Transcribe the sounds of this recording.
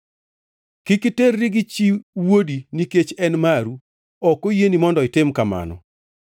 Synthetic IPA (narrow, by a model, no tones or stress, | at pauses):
kɪkɪterːɪɡɪt͡ʃiwodiniket͡ʃɛnmaɾu | ɔkojenimɔndɔɪtɪmkama̰nɔ̰